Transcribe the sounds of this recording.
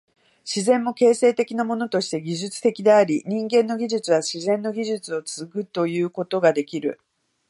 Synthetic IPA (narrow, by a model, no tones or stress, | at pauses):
ɕizẽ̞mːo̞ke̞ːse̞ːt̪e̞kʲinamo̞no̞t̪o̞ɕi̥t̪e̞ɡʲiʑɨt͡sɨ̥t̪e̞kʲid̪e̞aɾʲiɲ̟ĩŋɡẽ̞nːo̞ɡʲiʑɨt͡sɨβ̞aɕizẽ̞nːo̞ɡʲiʑɨt͡sɨo̞t͡sɨzɨkɯ̟t̪o̞jɯ̟ːko̞t̪o̞ɡad̪e̞kʲiɾɯ̟̰